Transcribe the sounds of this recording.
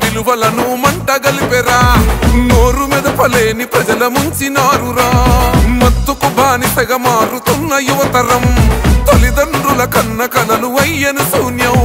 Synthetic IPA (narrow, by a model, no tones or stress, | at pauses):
piluʋɐlɐnumɐɳʈɐɡɐlipɛɾaːnoːɾumiːd̪ɐpɐleːnipɾɐd͡ʒɐlɐmɐɲt͡ʃinaːɾuɾaːmɐt̪ːukubʱaːnisɐɡɐmaːɾut̪unːɐjuʋɐt̪ɐɾɐmt̪olid̪ɐɳɖɾulɐkɐnːɐkɐlɐluɐjːɐnusuːnjɐ